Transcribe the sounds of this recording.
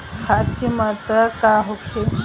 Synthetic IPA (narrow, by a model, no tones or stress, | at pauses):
xʰat̪kemat̪ɐkaɦokʰe